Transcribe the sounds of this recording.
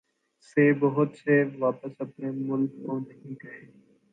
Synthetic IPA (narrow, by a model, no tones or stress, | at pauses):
seːbəɦʊt̪seʋaːpəsəpneːmʊlkːoːnəɦĩːkəɾeː